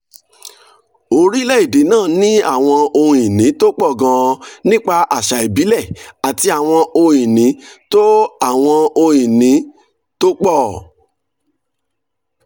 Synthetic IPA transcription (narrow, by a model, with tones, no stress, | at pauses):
o˧ɾi˦lɛ˦i˦˨de˨˦nãː˦˨nĩ˦a˦˨w̃ɔ̃˧o˧j̃ĩ˨nĩ˨˦to˦k͡pɔ˦˨ɡã˧nĩ˦k͡pa˧ʔa˨ʃa˨i˨bi˨˦lɛ˦˨a˨ti˧a˨w̃ɔ̃˧o˧j̃ĩ˨nĩ˨˦to˦a˦˨w̃ɔ̃˧o˧j̃ĩ˨nĩ˨˦ | to˦k͡pɔ˦˨